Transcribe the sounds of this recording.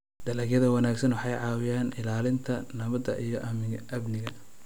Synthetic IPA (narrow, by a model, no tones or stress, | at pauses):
d̪̥ɐlɐɡjɐðɐwɑnaːɡsɐnwɑħɑjʕɑːwɪjaːnɪlaːlɪnt̪ʰɐnɐβɐd̪ɐʔijɞʔɐmɪɡɐʔɐbnɪɣɐ